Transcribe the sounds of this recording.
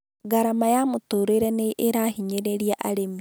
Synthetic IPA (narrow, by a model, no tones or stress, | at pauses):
ɡaɾamajamutoːɾeɾeneʔeɾahiɲeɾeɾiaʔa̰ɾem